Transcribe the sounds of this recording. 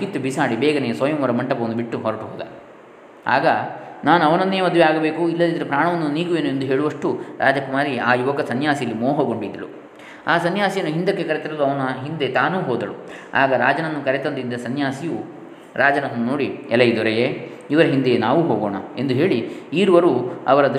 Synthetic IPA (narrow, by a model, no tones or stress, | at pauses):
kit̪ːubisaːɽibɛːɡɐnɛjɐsɔːjɐmʋɐɾɐmɐɳʈɐpɐʋɐnd̪biʈːuɦɔɾɐʈuɦoːd̪ɐ̰ | a̰ːɡɐnaːnuɐʋɐnɐnd̪eːɐmɐd̪ʋɛaːɡɐbe̞ːkuilːɐd̪id̪ɐɾepɾaːɳɐʋɐnːuniːɡuʋe̞ːnue̞nd̪uɦe̞ːɭuʋɐʂʈuɾʔaːd͡ʒɐkumaːɾiaːjuʋɐɡɐsɐnjaːsijɐlːimoːɦoɡoɳɖuid̪ɐlṵ | aːsɐnjaːsijɐnːuɦind̪ɐkːe̞kɐɾet̪ɐɾɐluɐʋɐnɐɦind̪e̞t̪aːnuːɦɔːd̪ɐɭua̰ːɡɐɾaːd͡ʒɐnɐnːukɐɾet̪ɐnd̪ind̪ɐsɐnjaːsiju | ɾʔaːd͡ʒɐnɐnːunoːɽiɛlːɐjid̪ɔɾɛjeː | iʋɐɾɐɦind̪enaːʋuɦoːɡoːɳɐe̞nd̪uɦe̞ːɭiiːɾuʋɐɾuɐ̰ʋɐɾɐd̪